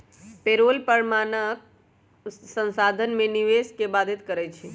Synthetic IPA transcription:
peɾolpəɾmanək̚ | sə̃nsad̪ʱənmẽniʋeskebad̪ʱit̪kəɾɛt͡ʃʰi

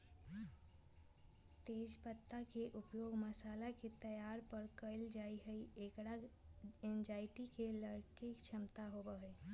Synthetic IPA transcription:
t̪eːd͡ʒpət̪ːakeʔʊpjoːɡməsaːlaket̪əjaːɾpəɾkəɪld͡ʒaːiɦəiekɽa | ẽnd͡ʒaːɪʈikeləɾkikt͡ʃʰəmt̪aɦobəɦe

